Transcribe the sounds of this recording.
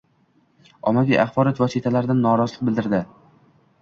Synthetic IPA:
ɒmavʲija̰χbɒɾɒt̪vɒsit̪ʰalaɾd̪anːɒɾɒzlˠɪq̚bɪld̪ɪɾd̪ɪ

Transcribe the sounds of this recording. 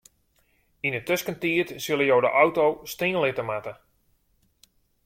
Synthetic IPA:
inətøskəntiətsɪlˠəjowdə̰ʔawtowsteːnlɪtəmatə

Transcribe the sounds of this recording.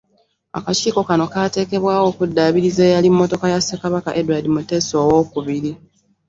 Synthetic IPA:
a̰kaciːko̞kano̞kaːte̞ːke̞βwaːwo̞ːkudːaːβiɾize̞ːjalimːo̞to̞kajasekaβaka̰ʔe̞duwadimute̞ːsoːwo̞ːkuβiɾi

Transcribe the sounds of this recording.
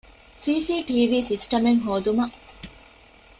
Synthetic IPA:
siːsiːʈiːʋiːsisʈɐmeŋɦoːd̪umɐ

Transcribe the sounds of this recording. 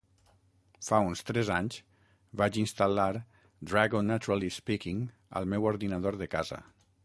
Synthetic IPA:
faunst̪ɾɛzaɲz | βat͡ʃinst̪alaɾ | d̪ɾaɣonːat̪uɾalispikiŋ | ə̰lˠmɛwoɾðinaðoɾðəkazə̰

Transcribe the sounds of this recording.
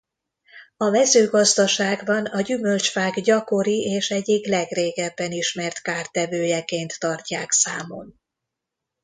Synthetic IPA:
ɒmɛzøːɡɒzd̪ɒʃaːɡbɒnɒɟymø̞lt͡ʃfaːɡɟɒko̞ɾiʔeːʃɛɟːiklɛɡreːɡɛbːɛniʃmɛrt̪kaːrt̪ɛvøːjɛkeːnt̪ːɒrcaːksaːmo̞n

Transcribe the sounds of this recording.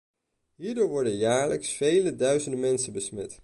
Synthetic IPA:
ɦiːɹdʊːɹʋɔɹdənjaːɹləksfejlədœɥzəndəmɛnsəbəsmɛt

